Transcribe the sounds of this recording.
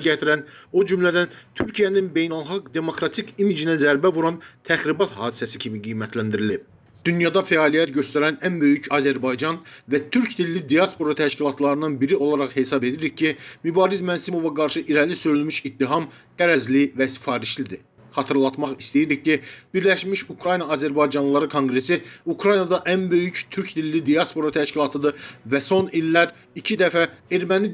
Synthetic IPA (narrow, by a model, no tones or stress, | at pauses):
ɟæt̪ʰiɾæno̞d͡ʒymlæd̪ænt̪ʰyɾcʰijæninbe̞jnælˠχɑɡd̪e̞mo̞kɾɑt̪ʰikimid͡ʒinæzæɾbævuɾɑnt̪ʰæxɾibɑt̪hɑːd̪isæsicʰimiɡijmæt̪ʰlænd̪iɾilib̚ | d̪̥ynjɑd̪ɑfæɑːlijæt̪ɟø̞st̪æɾænænbø̞jycɑzæɾbɑjd͡ʒɑnvæt̪ʰyɾcd̪ilːid̪ijɑspo̞ɾɑt̪ʰæʃcilˠɑt̪lˠɑɾɯnɑnbiɾio̞lˠɑɾɑχhe̞sɑbe̞d̪iɾiccʰimybɑːɾizmænsimo̞vɑɡɑɾʃɯʔiɾælisøylmyʃit̪ːiɦɑm | ɡ̥æɾæzlivæsi̥fɑːɾiʃlid̪i | χɑt̪ʰɯɾlˠɑt̪mɑχist̪ejiɾiccib̥iɾlæʃmiʃukʰɾɑjnɑːzæɾbɑjd͡ʒɑnlˠɑɾɯkʰo̞ŋɡɾe̞siukʰɾɑjnɑd̪ɑʔænbø̞jyct̪ʰyɾcd̪ilːid̪ijɑspo̞ɾɑt̪ʰæʃcilˠɑt̪ʰɯd̪ɯvæso̞nilːæɾ | icʰid̪æfæe̞ɾmæni